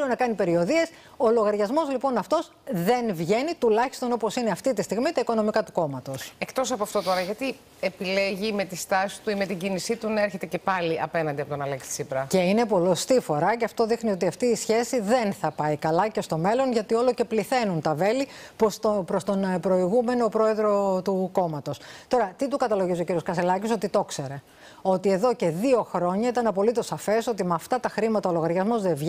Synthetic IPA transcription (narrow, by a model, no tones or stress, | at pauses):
unɐkɐnipe̞ɾio̞ðie̞s | o̞lo̞ɣɐɾʝɐzmo̞zlipo̞nɐft̪o̞s | ðe̞nvʝe̞nit̪ulɐçi̥st̪o̞nopo̞sineɐft̪it̪ist̪iɣmit̪ɐiko̞no̞mikɐt̪u̥ko̞mɐt̪o̞sekt̪o̞sɐpoɐft̪o̞t̪o̞ɾɐʝɐt̪i | epileʝime̞t̪ist̪ɐsi̥t̪uime̞t̪iɟinisit̪unɐeɾçe̞t̪ece̞pɐliʔɐpe̞nɐnd̪iɐpo̞t̪o̞nɐleksi̥sipɾɐce̞ine̞po̞lost̪ifo̞ɾɐceɐft̪o̞ðixnio̞t̪iɐft̪iːsçe̞siðe̞nθɐpɐikɐlɐce̞st̪o̞me̞lo̞nʝɐt̪io̞lo̞ce̞pliθe̞nunt̪ɐve̞liposopɾost̪onpɾo̞iɣume̞nopɾo̞e̞ðɾo̞t̪uko̞mɐt̪o̞st̪o̞ɾɐt̪it̪ukɐt̪ɐlo̞ʝizio̞ciɾio̞skɐselɐciso̞t̪it̪o̞kse̞ɾe̞ | o̞t̪ie̞ðo̞ce̞ðio̞xɾo̞ɲɐit̪ɐnɐpo̞lit̪o̞sːɐfe̞so̞t̪imɐft̪ɐt̪ɐxɾimɐt̪ɐolo̞ɣɐɾʝɐzmo̞zðe̞vʝ